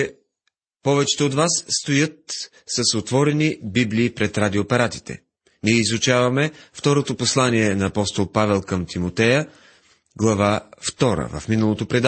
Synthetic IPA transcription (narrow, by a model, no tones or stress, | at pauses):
t͡ʃɛ | pɔvɛt͡ʃɛ̥t̪ɛod̪vasːt̪ojɤt̪̚ | səsot̪vɔɾɛnibibliːpɾɛt̪ɾad̪ioːpɛɾat̪i̥t̪ɛ̰ | niɛizut͡ʃavɐmɛft̪ɔɾot̪oposlˠaniɛnɐːpɔst̪olˠpavɛlˠkəmt̪imot̪ɛjə | ɡlˠɐvaft̪ɔɾə̰vɐ̰fminəlˠot̪opɾɛd̪